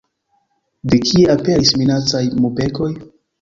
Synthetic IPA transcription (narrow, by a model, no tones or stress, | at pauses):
dekʰieape̞ɾisminat͡sajmupe̞ko̞j